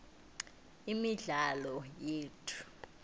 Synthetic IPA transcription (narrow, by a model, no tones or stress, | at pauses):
imiɮalɔjeːtʰu̥